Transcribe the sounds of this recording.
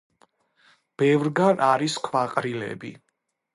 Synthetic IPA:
b̥ɛvɾɡanʔaɾiskʰvaqʼɾilɛ̰bḭ

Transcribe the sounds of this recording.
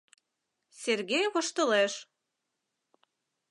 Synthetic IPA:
sʲerɣʲejɣoʃt̪ɤ̆leʃ

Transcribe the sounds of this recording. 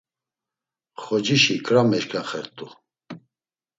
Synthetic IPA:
χɔd͡ʒiʃikʰʼɾamɛʃkʰaχɛɾt̪ʼu

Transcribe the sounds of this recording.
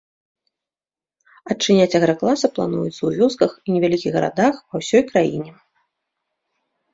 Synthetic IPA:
ɐt͡ʂɨnʲat͡sʲɐɣɾɐklˠasɐplˠa̰nujut̪sɐwvʲɔskɐxinʲɛvʲalʲikʲiɣɣɐɾa̰d̪axvɐwsʲɔjkɾajinʲɛ

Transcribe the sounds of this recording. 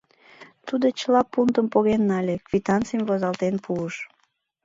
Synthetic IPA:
t̪ud̪ot͡ɕəlɑpunt̪əmpoɣenːɑlʲekvʲit̪ɑnt͡sijmvozɑlt̪enpʰuəʃ

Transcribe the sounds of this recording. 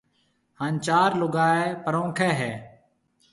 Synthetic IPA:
haːnt͡ʃaːɾlʊɡaːeːpəɾõːkʰeːɦɛː

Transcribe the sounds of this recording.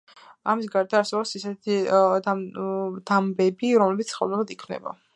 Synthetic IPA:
amis̬ɡaɾd̪aːɾsɛbɔpsisɛt̪ʰid̪ad̪̥ambɛbiɾɔmlɛbit̪sʰχɛ̰lˠnɛlad̪ikʰmnɛ̰ba̰

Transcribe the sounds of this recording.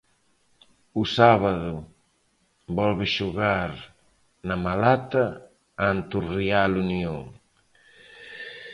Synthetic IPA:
usaβaðu | bɔlβeʃuɣaɾ | namalat̪a | ant̪urialunioŋ

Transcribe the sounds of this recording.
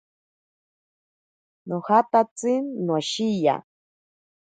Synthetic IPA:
nohat̪at͡sɨnwaʃija̰

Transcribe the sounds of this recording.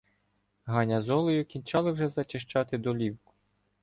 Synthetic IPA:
ɦɑnʲɐzɔlˠɔjʊkʲint͡ʃɑlˠɪwʒɛzɐt͡ʃɪʃt͡ʃɑt̪ɪd̪ɔlʲiwkʊ̥

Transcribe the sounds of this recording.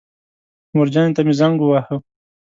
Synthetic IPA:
muɾd͡ʒɑjnt̪amizaŋɡuwahə

